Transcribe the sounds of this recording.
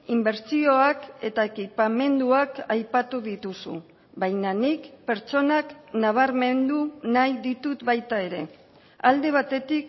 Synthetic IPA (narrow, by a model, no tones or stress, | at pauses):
imbe̞ɾt͡sio̞ake̞t̪aekipame̞nd̪uakajpat̪uðit̪usṵ | bajnanikpe̞ɾt͡ʃo̞naknaβ̞aɾme̞nd̪unajðit̪ut̪bajt̪ae̞ɾe̞ | ald̪e̞β̞at̪e̞t̪ik